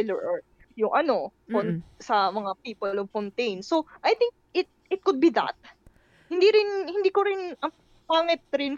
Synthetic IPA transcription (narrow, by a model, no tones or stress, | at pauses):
lɛɹʔɔɹ | jʊŋʔɐno̞konsɐmɐŋapiːpolovkont̪ejnsoʔajt̪ɪŋk̚ʔɪt̪̚ɪt̪̚kʊd̪̚bid̪ɐ̰t̪̚ | hɪnd̪iɾɪnhɪnd̪iːkoɾɪnɐ | paːŋɪt̪̚ɾɪn